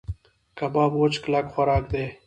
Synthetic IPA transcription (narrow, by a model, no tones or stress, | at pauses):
kɐbaːbot͡ʃklakxɐɾaːk̚d̪eː